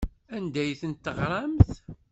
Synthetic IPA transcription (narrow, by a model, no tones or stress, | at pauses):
ænd̪æjθənt̪ːəʁɾˤɑmθ